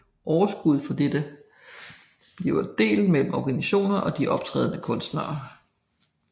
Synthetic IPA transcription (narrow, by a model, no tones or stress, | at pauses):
ʔɒʊɐsɡ̥uð̞ˠfɒ̽d̥ed̥ə | b̥leʊɐd̥e̝̰ːlmel̰m̩ɒɡ̥æniɕo̝̰ːnɐʔɒ̽d̥iʔɒ̽b̥̚t͡sʰʁɛ̰ːðˠnəkʰɔ̽nsd̥nɑ̰̈ː